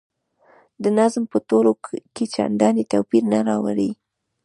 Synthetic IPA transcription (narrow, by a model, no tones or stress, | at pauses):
d̪ənazmpət̪oloket͡ʃa̰ɳɖɑnet̪awpiɾnaɾɑwa̰ɾi